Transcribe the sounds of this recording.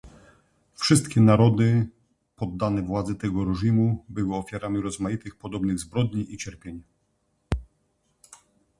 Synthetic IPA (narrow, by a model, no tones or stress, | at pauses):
fʂɘst̪kʲɛnaɾɔd̪ɘ | pɔd̪ːanɛvwad̪zɛt̪ɛɡɔɾɛʐimubɘwɘɔfʲjaɾamʲiɾɔzmajit̪ɘxpɔd̪ɔbnɘɣzbɾɔd̪ɲiʔit͡ɕɛɾpʲjeɲ